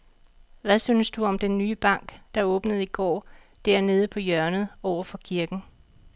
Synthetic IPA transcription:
ʋæsyːnəsd̥uɒ̽md̥enːyːb̥ɑ̈ŋ̰ɡ̥d̥ɑ̈ɔ̽ːb̥nəð̞̩ˠiɡ̥ɒ̰ː | d̥æɐ̰ne̝ːð̞ˠəpʰɒ̽jɶɐnð̩ˠɒʊ̰ɐfɒ̽kʰiɐɡ̥n̩

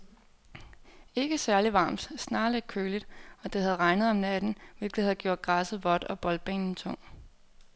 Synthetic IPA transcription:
e̝ɡ̥əsæɐliʋɑ̈ːmd̥snɑ̈ːleɡ̥̚kʰøːlid̥ɒ̽d̥ehæð̞ˠʁɑ̈ɪnð̩ˠɒ̽mnæd̥n̩ʋe̝lɡ̥lihæð̩ˠɡ̥jo̝ɐ̰d̥̚ɡ̥ʁɑsəð̩ˠʋɒ̽d̥ɒ̽b̥ɒ̽l̚b̥ɛ̰ːnn̩t͡sʰɔ̽ŋ̰

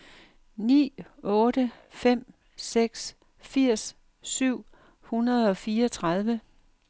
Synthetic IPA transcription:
nḭːɔ̽ːɾ̥ə | fem̰ | seɡ̥s | fiɐ̰s | syʊ̰ | hunɐð̞̩ˠɒ̽fiːɐɒt͡sʰʁɑð̞ˠʋə

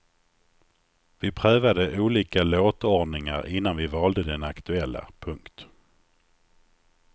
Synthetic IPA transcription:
vɪpʰɾœːvad̪əʔuːliːkaloːt̪ɔɖnɪŋa̰ɾɪnːanvɪvɑːld̪əd̪ɛnakt̪ɵɛlːa̰pʰɵŋkt̪

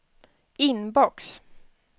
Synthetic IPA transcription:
ɪnbɔks

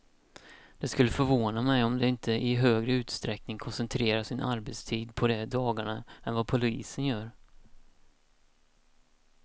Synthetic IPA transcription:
d̪ɛskɵlːəfœɾvoːnamɛjɔmd̪ɛɪnt̪ʰəʔɪɦøːɡɾəʉ̟ːt̪st̪ɾɛknɪŋkʰɔnsɛnt̪ʰɾeːɾaʂɪnʔa̰ɾbet̪st̪ʰiːd̪pʰɔd̪ɛd̪ɑːɡaɳaɛnvapʰʊlḭːsənjœːɾ

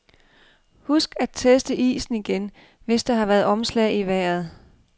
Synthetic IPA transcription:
husɡ̥æd̥̚t͡sʰesd̥əʔḭːsn̩iɡ̥en | ʋe̝sd̥ɑ̈hɑ̈ʋæɐðˠɒ̽mslɛɪiʋæɐð̞̩ˠ

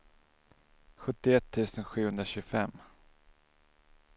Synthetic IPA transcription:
ɧɵt̪ːɪɛt̪ʰːʉ̟ːsənɧʉ̟ːhɵnd̪ɾaɕʉːɡfɛ̰mː

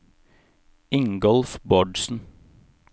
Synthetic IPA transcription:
ɪŋɡɔlfbɔɖsn̩

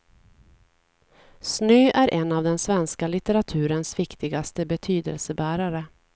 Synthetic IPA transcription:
snøːʔæɾʔɛnːavd̪ɛnsvɛnskalɪt̪ɛɾat̪ʰʉ̟ːɾənsvɪkt̪ɪɡast̪əbɛt̪ʰyːd̪ə̰lsəbæːɾaɾə

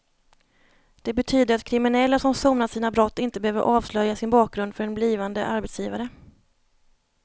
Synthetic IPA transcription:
d̪̥ɛbɛt̪ʰyːd̪əɾat̪kʰɾɪmɪnɛlːasɔmsoːmnasiːnabɾɔt̪ːɪnt̪əbəhøːvə̰ɾʔɑːvslœjasɪnbɑːk̚ɡɾɵnd̪fœɾɛnbliːvand̪ə̰ʔaɾbɛt̪sjiːvaɾə

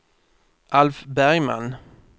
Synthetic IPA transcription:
ʔalfbæɾjma̰n

